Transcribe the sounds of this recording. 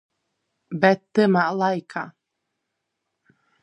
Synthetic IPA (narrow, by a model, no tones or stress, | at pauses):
bɛt̪ːɨmaʔlˠajkʰa